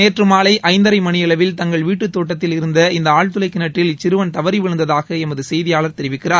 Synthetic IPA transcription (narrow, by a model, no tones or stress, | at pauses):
eːʈrɯmaːlɐɪʔʔɐɪnd̪ɐɾɐɪmɐɳɪjɛɭɐʋɪlt̪ɐŋɡɐɭʋiːʈːɯt̪ːoːʈːɐt̪ːɪlɪɾɯnd̪ɐɪnd̪ɐaːɻt̪ɯlɐɪkːɪnɐʈrɪlɪt͡ʃːɪɾɯʋɐnt̪ɐʋɐɾiʋɪɻɐnd̪ɐðaːɣɐɛmɐðɯsɛjðɪjaːlɐɾt̪ɛɾɪʋɪkːɪraːɾ